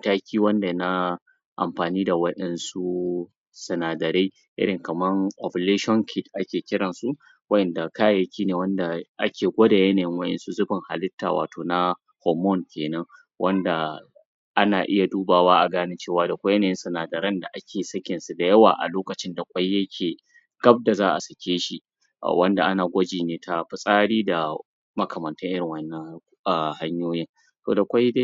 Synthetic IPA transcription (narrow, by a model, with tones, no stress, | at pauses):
taː˦kʲʰiː˦wɐ˦nda˨na˦ | ʔa̰˨mɸaː˨niː˦da˨wɐ˦ɗɛ˦nsu˦ | sɐ˨naː˨dɐ˨ɾe˦ | ʔɪ̰˦ɽɪ˨ŋkɐ˨mɐ˦ŋʔɔ˨ple˦ʃɔ˦nkʰʲɪ˦tʔa˦kʲeː˨kʲɪ˦ɽɐ˨nsu˦ | wɐ˦ʔɛ˨nda˨kaː˦jɐ˨kʲʰiː˦neː˨wɐ˦nda˨ʔa̰˦kʲeː˨ɡʷoː˦da˨jɐ˦naː˨jɪ˦ŋwɐ˦ɗɛ̰˨nsu˦zʊ˦bɪ˨ŋha̰˨lɪ˦tːa̰ː˨wa̰ː˨toː˨na˦ | hɔ˦˨mɔ˦˨nkʲeː˨nɐ˦ŋ | wɐ˦nda˨ | ʔa˦naː˨ʔɪ˦ja˨duː˦baː˨waː˦ʔa˨ɡaː˦nɪ˦t͡ʃeː˦waː˨da˨kʷa˦jnaː˨jɪ˦nsu˨naː˨dɐ˨ɾɐ˦nda˨ʔa˦kʲʰeː˨sɐ˦kʲɪ˨nsu˨da˨jɐ˦wa̰ː˨ʔa̰˨loː˦kɐ˨t͡ʃɪ˦nda˨kʷʼa˦jjɐ˦kʲʰeː˨ | ɡɐ˦b̚da˨zaː˦ʔa̰˨sɐ˨kʲeː˦ʃḭ˨ | wɐ˦nda˨ʔa˦naː˨ɡʷɐ˦d͡ʒiː˨neː˦tʰa˦ɸɪ˨sʼaː˦ɽiː˦da˨ | mɐ˦kʰɐ˨mɐ˨ntɐ˦ʔɪ˦ɽɪ˨ŋwɐ˦nːɐ˦ŋ˦ | a˨ha˦ɲjoː˦jɪ˦n | to̰ː˨da˨kʷa˦jde˦